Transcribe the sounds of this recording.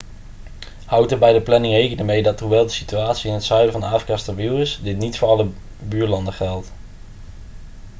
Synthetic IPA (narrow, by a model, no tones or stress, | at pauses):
hɑwtəbɛjdəplɛnɪŋrejkənəmejdɑtɦuʋɛlˠdəsityaːtsiɪnɦətsœɥdəvɑnaːfrikastavilˠɪsdɪtnitfʊːɹɑlə | byːɹlɑndəχɛlˠt